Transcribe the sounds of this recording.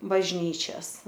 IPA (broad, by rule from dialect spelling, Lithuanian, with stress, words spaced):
bɐʒʲˈnʲiːt͡ʃʲɛs